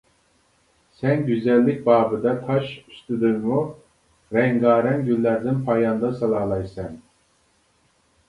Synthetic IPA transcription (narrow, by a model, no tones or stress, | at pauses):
sɛnɡʲyzɛlːɪk̚ʲbɑːbɨd̪ɑt̪ʰɑʃyst̪ɨd̪ɨŋmu | ɾɛŋɡɑːɾɛnɡʲylːæɾd̪ɪnpʰɑjɑnd̪ɑsɑlˠɑːlˠɑjsɛn